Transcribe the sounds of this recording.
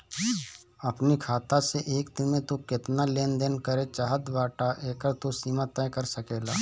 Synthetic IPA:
ɐpnikʰaːt̪aseʔeːkd̪ɪmẽt̪okɪt̪naleːnd̪eːnkəɾet͡ʃaːɦət̪ʋaːʈaʔeːkəɾt̪osiːmat̪aẽkəɾsəkeːla̰ː

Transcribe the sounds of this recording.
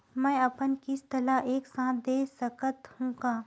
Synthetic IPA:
mɛ̃ːɐpənkɪst̪əlaʔeːksãːt̪̚ʰd̪eːsəkət̪hũːɡaː

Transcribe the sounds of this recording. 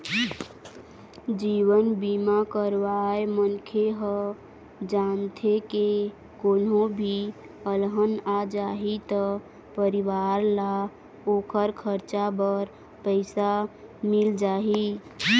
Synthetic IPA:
d͡ʒiwənbimakəɾʋaemənkʰeɦə | d͡ʒant̪ʰeke | konõbʱi | əlɦənad͡ʒaɦit̪ə | pəɾiʋaɾla | okʰəɾkʰəɾt͡ʃabəɾ | pəɪsamild͡ʒaɦi

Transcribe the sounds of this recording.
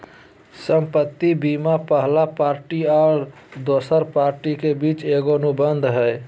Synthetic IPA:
səmpət̪ːibimapəɦlapaɾʈiɔːɾ | d̪oːsəɾpaɾʈikebit͡ʃeɡoənubənd̪ʱɦəj

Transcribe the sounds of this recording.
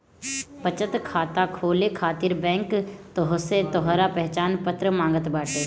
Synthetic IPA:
pət͡ʃət̪kʰaːt̪akʰoːlekʰaːt̪ɪɾbɛ̃ːŋkt̪oɦset̪ɔɦɾapɛɦt͡ʃaːnpət̪ɾəmãːŋɡət̪baːʈeː

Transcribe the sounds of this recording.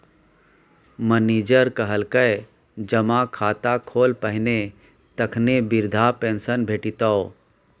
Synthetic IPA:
məniːd͡ʒəɾkəɦəlkəj | d͡ʒəmakʰaːt̪akʰoːlpəɦɪne | t̪əkʰnebɪɾd̪ʱapẽːnsənbʱeːʈit̪ao

